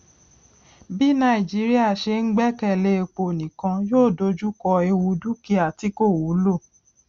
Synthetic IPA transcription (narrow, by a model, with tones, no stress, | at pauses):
bi˦nã˦i˨d͡ʒi˨˦ɾi˦a˦˨ʃe˧ŋ̩˦ɡ͡bɛ˦kɛ˦˨le˧˦˧k͡po˧˨nĩ˨kã˧joː˦˨do˧d͡ʒu˦kɔ˧e˧wu˧du˦ki˦a˨ti˨˦ko˦˨wu˨˦lo˦˨